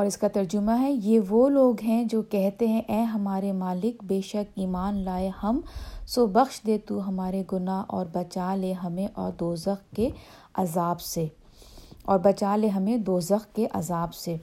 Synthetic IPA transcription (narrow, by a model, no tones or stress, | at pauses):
ɔːɾɪskat̪ɐɾd͡ʒʊmaɦɛjeʋoloːɡɦɛ̃d͡ʒoːkɛɦt̪eɦɛ̃ʔɛːɦɐmaːɾemaːlɪkbeːʃɐkiːmaːnlaːehɐmsoːbɐxʃd̪eːt̪uɦɐmaːɾeɡʊnaːʔɔːɾbɐt͡ʃaːleɦɐmẽʔɔːɾd̪oːzəxke | ɐzaːbse | ɔːɾbɐt͡ʃaːleɦɐmẽd̪oːzəxkeʔɐzaːbseː